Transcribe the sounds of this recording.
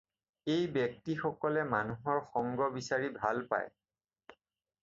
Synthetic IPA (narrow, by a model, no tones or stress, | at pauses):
ejbjɔk̚tixɔkɔlɛmanuɦɔɹxɔŋɡɔbisaɹibʱalpa̰j